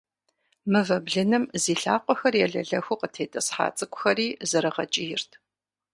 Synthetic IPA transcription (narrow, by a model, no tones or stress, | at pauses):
mɨvɐbɮɨnɨmziːɬaːqʷɔxɐrjɛɮɐ̰ɮɐxʷuqətʰeːtʼɐsħa̰ːt͡sʼɨkʷʊxɐriːzɨɾɨʁɐt͡ʃʼɪjɪrtʰ